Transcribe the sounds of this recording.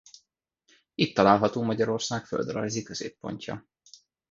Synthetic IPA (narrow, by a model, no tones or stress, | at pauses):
it̪ːɒlaːlɦɒt̪oːmɒɟɒɾo̞rsaːkføld̪rɒ̰jzikøz̥ḛːpːo̞̰ɲcɒ̰